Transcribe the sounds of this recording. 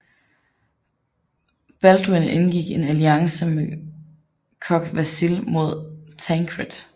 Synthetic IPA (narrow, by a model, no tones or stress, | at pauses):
b̥æld̥ʁine̝nɡ̥iɡ̥e̝næliɑ̈ŋsəme | kʰɒ̽ɡ̥ʋæsilmo̝ð̞̰ˠt͡sʰæŋkʰʁed̥